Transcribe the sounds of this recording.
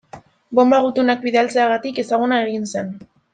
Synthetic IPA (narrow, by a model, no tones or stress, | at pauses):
bo̞mbaɣ̞ut̪unak̚biðealt͡se̞aɣat̪ike̞saɣ̞unae̞ɣinse̞n